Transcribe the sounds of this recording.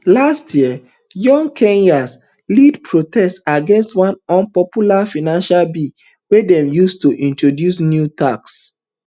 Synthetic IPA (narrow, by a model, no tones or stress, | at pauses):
lastʰjiə | jɔ̃ŋkʰẽnjas | lidpʰɹotɛstaɡɛ̃nstwãnɔ̃npɔpjulafinãnʃalbi | wɛdɛ̃mjustuʔĩntɹodjusnjutaks